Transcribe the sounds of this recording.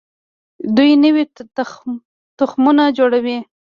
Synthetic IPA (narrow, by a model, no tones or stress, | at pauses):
d̪ujnəwi | t̪ʊxmunad͡ʒoɽawi